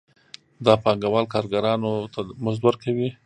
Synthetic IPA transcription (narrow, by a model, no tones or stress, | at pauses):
d̪ɑpɑŋɡawɑlkɑɾɡaɾɑnot̪ʰamʊzd̪wəɾkawi